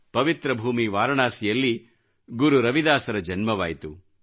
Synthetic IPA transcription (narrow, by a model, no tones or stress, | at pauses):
pɐʋit̪ɾɐbʱuːmiʋaːɾɐɳaːsijɐlːi | ɡuɾuɾɐʋid̪aːsɐɾɐd͡ʒɐnmɐʋaːjit̪u